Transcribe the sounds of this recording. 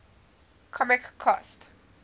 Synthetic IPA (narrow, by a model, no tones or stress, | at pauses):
kʰɔmɪkʰːɔst